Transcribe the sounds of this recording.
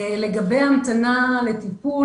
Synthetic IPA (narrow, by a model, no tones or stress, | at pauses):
le̞ɡabejamt̪anale̞t̪ipu